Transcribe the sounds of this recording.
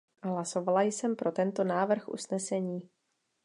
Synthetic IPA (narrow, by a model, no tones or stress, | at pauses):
ɦlaso̞valajsɛmpɾo̞t̪ɛnt̪o̞naːvr̩xʔṵsnɛsɛɲiː